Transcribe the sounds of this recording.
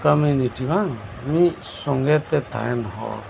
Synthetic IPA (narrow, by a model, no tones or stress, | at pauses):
kamuniʈiβaŋmi | sɔŋɡɛt̪ɛt̪a̰ɛnɦɔ̰